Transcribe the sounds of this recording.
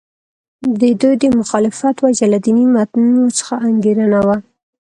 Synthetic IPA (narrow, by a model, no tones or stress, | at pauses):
d̪əd̪ujd̪əmʊxɑlɪfat̪wad͡ʒalad̪inimat̪nunot͡sə̥xaʔaŋɡeɾanawa